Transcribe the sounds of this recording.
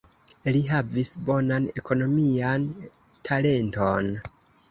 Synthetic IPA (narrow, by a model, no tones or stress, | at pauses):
liɦavisbo̞nane̞kʰo̞no̞mian | tʰale̞nto̞n